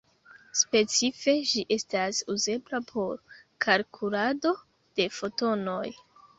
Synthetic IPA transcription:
spe̞t͡sife̞ʒiʔe̞stasuze̞blapʰo̞ɾkʰalkʰulado̞ | d̥e̞fo̞to̞no̞j

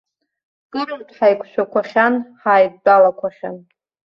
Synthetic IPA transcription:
kʼɨrɨndʰʼħajkʷʰʃʰʷᶣakʷaχʲanħaːjd̚ʼdalakʷʰaχʲa̰n

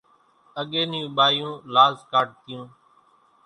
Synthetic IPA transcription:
əɠeːnjũːɓaːjũːlaːzkaːʈ̚t̪ɪjũː

